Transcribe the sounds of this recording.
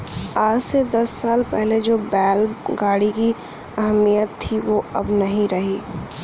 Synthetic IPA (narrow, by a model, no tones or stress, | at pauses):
aːd͡ʒsed̪ɐsːaːlpɛɦled͡ʒoːbɛːlɡaːɽiki | ɐɦəmijət̪ʰːiʋoɐ̰bnɐɦĩɾɐɦiː